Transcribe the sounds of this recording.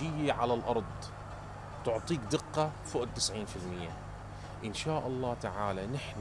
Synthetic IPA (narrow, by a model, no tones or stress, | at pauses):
ɪjːaʕalalʔɑɾˤðˤ | t̪ʊʕt̪ˤiːkd̪ɪqːɑ | fʊʔd̪̚t̪ɪsʕiːnfɪlmɪjːa | ʔɪnʃaːʔɑlˤːɑːt̪aʕaːlanɪħn